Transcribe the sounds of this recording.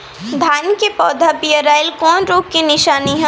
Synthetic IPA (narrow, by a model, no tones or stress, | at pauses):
d̪ʱaːnkepɔːd̪ʱapijəɾaːɪlkɔːnɾoːɡ̚kinɪʃaːniɦɛ̃